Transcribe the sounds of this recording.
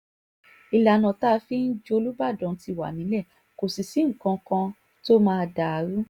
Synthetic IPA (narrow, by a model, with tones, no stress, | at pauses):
i˨la˨nã˨ta˦˧fi˦n̩˦d͡ʒo˧o˧lu˦ba˦˨dɔ̃˨˦ti˧˨wa̰˨nĩ˨˦lɛ˦˨ | ko˨si˨si˨˦ŋ̩˨kã˧kã˧ | to˦mãː˦˧da˨a˨˦ɾu˦